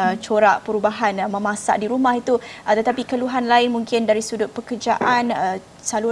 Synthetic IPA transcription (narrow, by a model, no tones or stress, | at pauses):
ət͡ʃoɾaʔpəɾubaɦanmə̃mãsa̰ʔdiɾumahit̪uət̪ət̪apikəluɦanlaɪnmũŋkɪndaɾisudʊt̪̚pəkərd͡ʒa̰ʔan | salu